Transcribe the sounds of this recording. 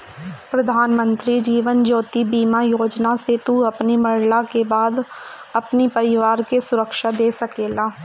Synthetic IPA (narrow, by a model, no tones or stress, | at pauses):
pɾɐd̪ʱaːnmə̃nt̪ɾid͡ʒiːʋənd͡ʒoːt̪ibiːmajoːd͡ʒnaset̪uɐpnimɐɽlakebaːd̪ | ɐpnipɐɾɪʋaːɾkesʊɾəkʃad̪eːsɐkeːlaː